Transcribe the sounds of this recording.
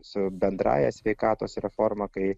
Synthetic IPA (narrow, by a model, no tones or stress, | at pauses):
sʊbʲɛnd̪ɾɑ̰ːjɛsʲʋʲɛɪkɑːt̪oːsɾʲɛfoːɾmɐkɐɪ